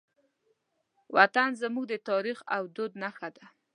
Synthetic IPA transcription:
wat̪anzəmuɡ̚d̪ət̪ɑɾixawd̪od̪naxad̪a

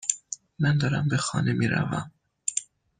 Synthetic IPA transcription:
mænd̪ɒːɾæmbexɒ̰ːnemiːɾæ̰væ̰m

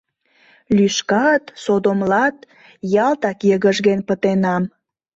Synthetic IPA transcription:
lyʃkɑt̪sod̪omlɑt̪ | jɑlt̪ɑkjəɣəʒɣenpət̪enɑm

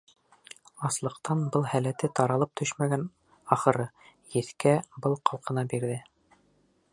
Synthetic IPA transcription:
ɑslˠɤ̆qt̪ɑnbɤlˠhælæt̪ɘt̪ɑɾɑlˠɤp̚t̪ʰɵʃmæɡæn | ɑχɤ̆ɾɤ | jɘ̆θkæbɤlˠqɑlˠqɤ̆nɑbiɾðɘ

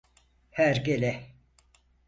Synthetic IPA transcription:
hæɾɡelʲɛ

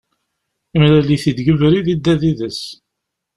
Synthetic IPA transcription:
imɾæliθid̪ɡəvɾiðid̪ːæðiðəs

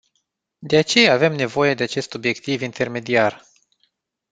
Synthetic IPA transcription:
d̪e̞at͡ʃe̞jaːve̞mne̞vo̞je̞d̪e̞at͡ʃe̞st̪o̞bje̞kt̪ivint̪ʰe̞rme̞d̪iar

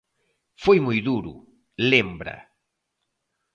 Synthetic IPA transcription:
fojmojðuɾʊ̰ | lembɾɐ̰

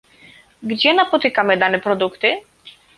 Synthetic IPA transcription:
ɡd͡ʑɛnapɔt̪ɘkamɘd̪anɛpɾɔd̪ukt̪ɘ

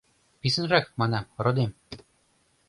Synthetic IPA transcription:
pisɘ̆nrɑk̚mɑnɑrŏd̪em

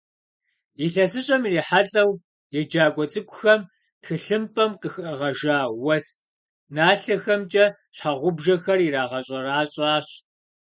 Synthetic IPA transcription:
jiɬɐsɨɕʼɐmiriːħaɮʼɐw | jɛd͡ʒaːɡʷɔt͡sʼɨkʷʼʊxɐm | txɨɬɨmpʰʼɐmqəxʔɐʁɐʒaːwɐst | naːɬɐxɐmt͡ʃʼɐ | ɕħaʁʷʊbʒɐxɐriɾaːʁɐɕʼɐɾaːɕʼaːɕ

